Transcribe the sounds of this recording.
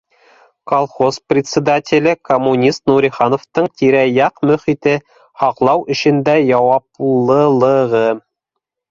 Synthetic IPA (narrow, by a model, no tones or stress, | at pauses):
kɐlˠχosprʲɪt̪ʲsʲɪd̪atʲɪlʲɘkomːunʲist̪nuɾʲiχɑnoft̪ɤɴt̪ʲiɾæjɑqmɵ̆χit̪ɘ | hɑqlˠɑwʔɘ̆ʃɘ̆nd̪æjɑwɑplˠɤ̆lˠɤ̆ʁɤ